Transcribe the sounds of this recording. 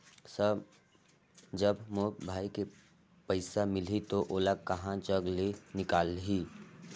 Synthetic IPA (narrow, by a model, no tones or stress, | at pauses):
sə | d͡ʒəbmobʱaːike | pəɪsamɪlit̪oʔoːlakɐɦãd͡ʒəɡlenɪkaːlɦiː